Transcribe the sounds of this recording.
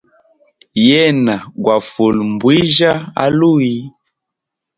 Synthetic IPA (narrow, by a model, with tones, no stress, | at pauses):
jɛ˦na˨ɡwa˨fo˨lm˨bwi˦ʒa˦a̰˦lu˦i˦